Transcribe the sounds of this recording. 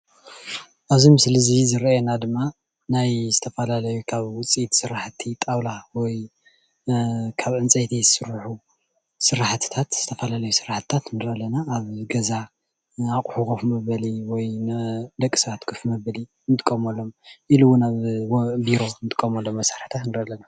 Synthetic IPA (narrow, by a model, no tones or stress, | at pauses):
ʔaβzimɨslɨzizɨɾenad̪ɨmːa | najzɨt̪ʰɐfɐlalɐjukʰaβwʊt͡sʼit̪sɨɾaħt̪ʰit̪ʼawlawɔj | kʰaβʕɨnt͡sʼt̪ʰizɨsɨɾuħu | sɨɾaħt̪ʰt̪ʰat̪z̥ɨt̪ʰɐfɐlalɐjusɨɾaħt̪t̪ʰat̪nɨɾɐlɐnaːβɡɐza | aqʼħukofmɐβɐliwɔjnd̪ɐkʼːi̥sɐβat̪kʰɨfmɐbɐli | nt̪ʼɨ̥kʼːɐmolːo̞mʔiluwːʊnaβwbiɾo̞nt̪ʼɨ̥kʼːɐmolːomːɐsḁɾħt̪ʰat̪nɨɾɐlːɐna